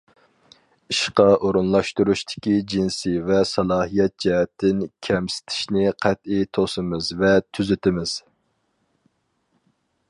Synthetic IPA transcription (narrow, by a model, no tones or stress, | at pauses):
iʃqɑʔoɾunlˠɑʃt̪uɾuʃt̪ʰɪ̥kʲid͡ʒinsivɛsɑlˠɑːɦijɛt̪̚d͡ʒɛɦɛt̪ʰːɪnkʲʰɛmsɪ̥t̪ʰɪ̥ʃnɪqʰɛt̪it̪ʰosɨmɨzvɛt̪ʰyzɪt̪ɪmɪz̥